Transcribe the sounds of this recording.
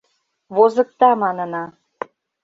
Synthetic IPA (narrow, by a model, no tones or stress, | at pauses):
βozɤ̆k̚t̪ɑmɑnə̆nɑ